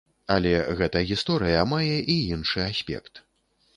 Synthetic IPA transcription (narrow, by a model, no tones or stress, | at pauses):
ɐlʲɛɣɛt̪ɐɣʲist̪ɔɾɨjɐmajɛʔiinʂɨasʲpʲɛ̰kt̪